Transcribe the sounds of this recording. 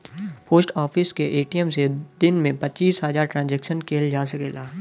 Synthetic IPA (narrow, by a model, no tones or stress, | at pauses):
poːsʈɔːfɪskeʔeːʈijəmsed̪ɪnmẽpɐt͡ʃiːsɦəzaːɾʈɾãːnzɛːkʃənkʰeːld͡ʒaːsɐkeːlaː